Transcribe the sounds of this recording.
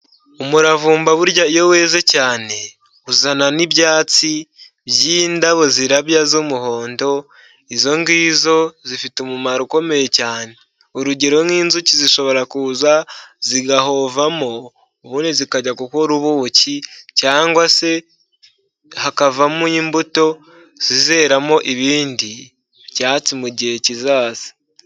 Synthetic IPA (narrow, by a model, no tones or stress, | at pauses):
umuɾavuːmbaβuɾɟaijo̞we̞ːzecaːne̞ | uzananiβɟaːt͡si | bjiːndaβo̞ziɾaβjazomuɦo̞ːndo̞ | izo̞ŋɡiːzo̞zifitumumaɾuko̞me̞je̞caːne̞ | uɾuɟeɾo̞nŋwiːnzuciziʃo̞βo̞ɾakuːzaziɡahovamoː | βuːnizikaɟakukoɾuβuːcicaːŋɡwase̞ | hakavamuimbuto̞ | z̥ize̞ːɾamoʔiβiːndi | βjaːt͡simuɟecizaːsi̥